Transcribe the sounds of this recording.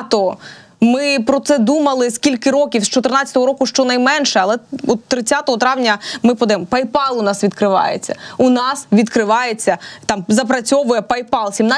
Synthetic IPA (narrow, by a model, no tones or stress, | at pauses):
t̪ɔ | mɪpɾɔt̪sɛd̪umɐlˠɪskʲilʲkɪɾɔkʲiwst͡ʃɔt̪ɪrnɑt͡sʲːɐt̪ɔɦɔɾɔkʊʃt͡ʃɔnɐjmɛnʃɛɐlˠɛɔt̪ːɾɪt͡sʲːat̪ɔɦɔt̪ɾɑʋnʲɐmɪpɔd̪ɐjɛmɔpɐjpɑlˠʊnɑsʋʲid̪kɾɪʋɑ̰jḛt͡sʲːɐ̰unɑsʋʲid̪kɾɪʋɑjet͡sʲːɐt̪ɑmzɐp̬ɾɐt͡sʲɔʋʊjɛpɐjpɑlˠsʲimnɑ